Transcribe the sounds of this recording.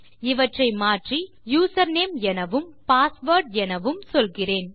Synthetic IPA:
ɪʋɐʈrɐɪmaːʈri | juːsɐɾneːmɛnɐʋɯmpaːsʋɐːɾɖɛnɐʋɯmsɔlɣɪreːn

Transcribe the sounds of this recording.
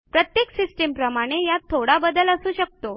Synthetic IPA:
pɾət̪jeksisʈempɾəmaɽ̃ejat̪ʰːoɽabəd̪ələsuːɕək̚t̪o

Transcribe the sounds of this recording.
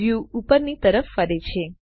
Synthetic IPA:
juupəɾnit̪əɾəfːəɾet͡ʃʰe

